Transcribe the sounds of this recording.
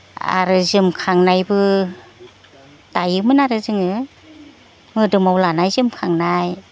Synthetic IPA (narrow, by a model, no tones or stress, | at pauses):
a̰ɾɯzɯmkʰaŋnajbɯ | tajɯmɯnaɾɯzɯŋɯ | mɯdɯmawlanajzɯmkʰaŋnaj